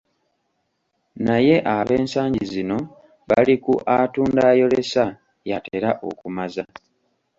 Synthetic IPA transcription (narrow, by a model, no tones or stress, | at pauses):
naje̞ʔaβe̞ːnsaːɲɟizino̞ | βa̰likuʔatuːndaːjo̞le̞sa | jate̞̰ːɾaʔo̞̰kumaza